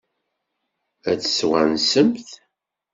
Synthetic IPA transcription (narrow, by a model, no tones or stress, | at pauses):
æt͡sːə̥swænsəmθ